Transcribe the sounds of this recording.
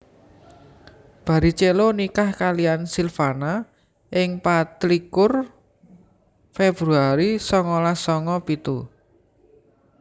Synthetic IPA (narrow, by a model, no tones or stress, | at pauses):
b̥a̤ɾit͡ʃelonikahkalijansilfana | ʔɪŋpat̪likʊr | feb̥ɾuaɾisɔŋɔlasɔŋɔpit̪u